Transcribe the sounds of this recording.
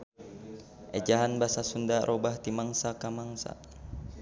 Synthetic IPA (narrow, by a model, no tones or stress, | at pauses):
ʔɛd͡ʒaɦanbasasundaɾʔobaht̪imaŋsakamaŋsa̰